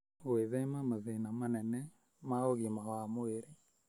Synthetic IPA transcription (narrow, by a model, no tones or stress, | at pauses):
weðɛmamaðenamanɛnɛ | maoɣimawamoeɾe